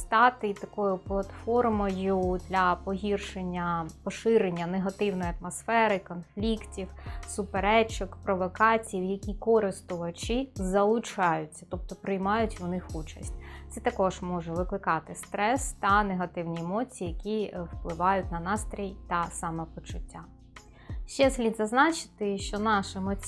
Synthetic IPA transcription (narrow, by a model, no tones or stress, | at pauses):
st̪ɑt̪ɪt̪ɐkɔjʊplˠɐt̪fɔrmɔjʊd̪lʲɐpɔɦʲirʃenʲːɐpɔʃɪɾenʲːɐneɦɐt̪ɪwnɔjɐt̪mɔsfɛɾɪkɔnflʲiktʲiwsʊpeɾɛt͡ʃɔkpɾɔʋɔkɑt͡sʲijiwjɐkʲikɔɾɪst̪ʊʋɐt͡ʃizɐlˠʊt͡ʃɑjʊt͡sʲːɐt̪ɔp̚t̪ɔpɾɪjmɑjʊtʲʊnɪxut͡ʃɐsʲtʲt̪sɛt̪ɐkɔʒ̥mɔʒɛʋɪklˠɪkɑt̪ɪst̪ɾɛst̪ɐneɦɐt̪ɪwnʲiemɔt͡sʲijːjɐkʲiwplˠɪʋɑjʊtʲnɐnɑst̪ɾʲijt̪ɐsɑmɛpɔt͡ʃʊtʲːa | ʃt͡ʃɛslʲid̪zɐznɑt͡ʃɪ̥t̪ɪʃt͡ʃɔnɑʃemɔ